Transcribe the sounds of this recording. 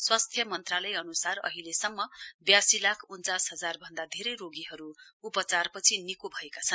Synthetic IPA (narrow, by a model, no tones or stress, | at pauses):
swast̪ʰjʌmʌnt̪ralʌjʌnusarʌ̰ɦilesʌmːʌbjasilakʰunt͡sasɦʌd͡zarbʱʌnd̪ad̪ʱeɾʌjroɡiɦʌɾuupʌt͡sarpʌt͡sʰinikobʱʌekat͡sʰʌn